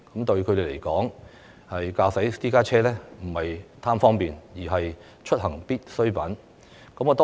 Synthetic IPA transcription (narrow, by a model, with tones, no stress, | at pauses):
kɐ˨˥mt̪ɵ˧ɥkʰd̪e˨˧le˨˩jkɔː˨˥ŋ | hɐ˨jkaː˧wsɐ˨˥jt̪iː˥kaː˥t͡ʃʰɛː˥lɛː˥m̩˨˩hɐ˨jt̪ʰaː˥mfɔː˥ŋpiː˨njiː˨˩ɦɐ˨j | t͡ʃʰɵ˥t̚hɐ˨˩ŋpiː˥t̚sɵ˥ɥpɐ˨˥n | kɐ˨˥mɔː˨˧t̪ɔ˥